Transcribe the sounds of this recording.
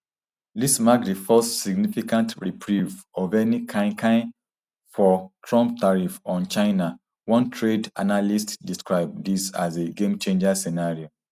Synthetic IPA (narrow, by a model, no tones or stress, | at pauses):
lismakdifɔssiɡnifikãntɹipʰɹuvɔvɛnikʰãkʰãɪ̃n | fɔtʰɹɔ̃mp̚taɹifɔ̃nt͡ʃaɪna | wɔ̃ntʰɹeda̰nalistdiskɹaɪb̚disa̰zeɡẽmt͡ʃẽnd͡ʒasɛnaɹio